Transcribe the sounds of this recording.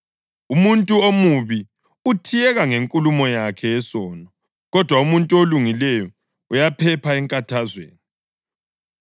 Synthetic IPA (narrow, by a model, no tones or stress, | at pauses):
umuntʼuomuβi | utʰijɛɣaŋeŋkʼulumɔjakʰɛːsɔːnɔ | ɣɔd̥ʱwaumuntʼuoluŋilɛjɔ | ujapʰɛpʰaɛŋkʼatʰazwḛːni